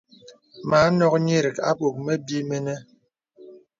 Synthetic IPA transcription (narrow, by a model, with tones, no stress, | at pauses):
ma˨˦nɔ˦k̚ɲe˦ɾi˨ka̰˦k͡po˨k̚mɛ˦bi˦me˦nɛ˦